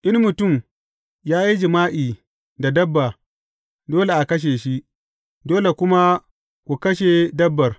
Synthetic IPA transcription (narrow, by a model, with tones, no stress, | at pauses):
ʔɪ˦nmʊ˨tʊ˦˨m | jaː˦ji˦d͡ʒɪ˨maː˦ʔiː˨ | da˨dɐ˦bːa˨ | doː˦le˨ʔa˨kɐ˦ʃ̬eː˨ʃi˦ʔ | doː˦le˨kʷʊ˦ma˦ | kʷu˨kɐ˦ʃ̬e˨dɐ˦bːɐ˨r